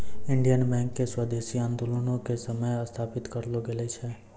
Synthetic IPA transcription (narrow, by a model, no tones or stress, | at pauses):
ɪ̃ɳɖijənbɛ̃ːŋkːeswəd̪eːsiãːnd̪olənõkesəməjɐst̪ʰaːpɪt̪kəɾloɡelet͡ʃʰɛː